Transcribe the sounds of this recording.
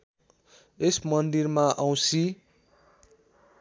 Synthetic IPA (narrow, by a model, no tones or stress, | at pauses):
esmʌnd̪irmaʔaw̃si